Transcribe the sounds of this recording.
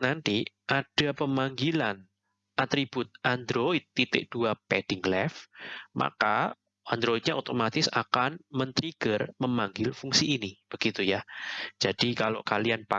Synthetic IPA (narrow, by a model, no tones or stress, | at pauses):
nant̪iʔad̥apəmaŋɡilan | ʔat̪ɾib̥ʊt̪̚ʔand̪ɾoit̪̚t̪it̪ɪ̰ʔd̥uaped̥ɪŋlɛfma̰ka | ʔand̪ɾoit̪̚ɲaʔot̪omat̪ɪsa̰kanmənt̪ɾiɡ̥ərməmaŋɡɪlfuŋsiːnib̥əɡ̥it̪ujad͡ʒ̥ad̥ikalokalianpa